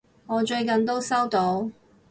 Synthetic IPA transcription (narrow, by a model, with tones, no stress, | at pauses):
ŋɔː˨˧t͡ʃɵ˧ɥkɐ˨nt̪̬o˥wsɐ˥wt̪o˧w